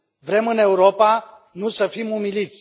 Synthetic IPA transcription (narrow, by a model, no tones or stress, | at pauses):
vɾe̞mɨne̞uɾopa | nusəfimumilit̪sʲ